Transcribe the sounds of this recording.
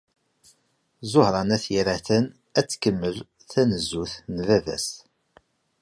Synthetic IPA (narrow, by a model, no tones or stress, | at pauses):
zʊhɾˤɑnæθjiɾæθən | æt͡sːkəmːəl | θænəzːuθnvævæ̰s